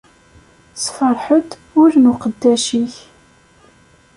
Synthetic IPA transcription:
sfəɾˤħət̪ | ʊɾnuqəd̪ːæʃiç

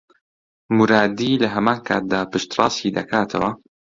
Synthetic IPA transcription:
muɾaːd̪iːlɐɦɐmaːnkʰaːt̪̚d̪aːpɨʃt̪rɑ̰ːsid̪ɐ̰kʰaːt̪ʰɐ̰wɐ

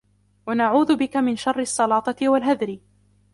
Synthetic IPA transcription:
wanaʕuːðʊbɪkamɪnʃɑrˤːɪɑsˤːɑlɑːt̪ˤɑt̪ɪwalɦaðɾɪ

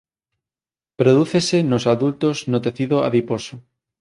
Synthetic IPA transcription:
pɾoðuθesenosaðult̪oznot̪eθiðoa̰ðiposo

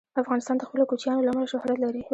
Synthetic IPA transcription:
afɣɑnɪst̪ɑnd̪əxpəlokut͡ʃjɑnolamalaʃʊhɾat̪laɾi

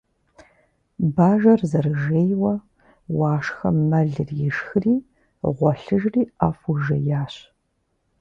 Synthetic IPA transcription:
baːʒɐrzɐrɨʒeːjwɐ | wɑːʂxɐ̰mmɐɮɨrjɪʃxɨriː | ʁʷɔɬɨʒriːaːfuʒɐ̰jaːɕ

